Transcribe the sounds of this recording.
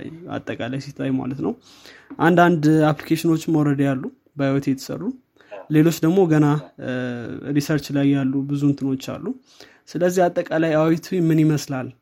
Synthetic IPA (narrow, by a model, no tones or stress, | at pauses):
ja̰t̪ʼːəkʼalajsit̪ʰːajma̰lət̪nəw | ʔand̪and̪aplikʰeʃɪno̞t͡ʃːmawɾəd̪jalːu | bəhawɔt̪jɛt̪ʰə̥sə̰rːu | le̞lo̞t͡ʃːd̪əɡmo̞ɡəna | ɾisəɾt͡ʃlajːalːubɨzunt̪ʰɨno̞t͡ʃːa̰lːu | sɨləzːihat̪ʼːəkʼalajawt̪ʰwmːɨnjiməslal